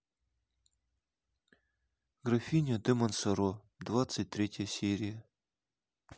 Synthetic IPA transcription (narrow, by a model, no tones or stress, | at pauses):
ɡrafʲinʲod̪emonsəɾo | d̪vat̪sɨt̚ʲt̪ɾʲetʲjəsʲeɾʲijə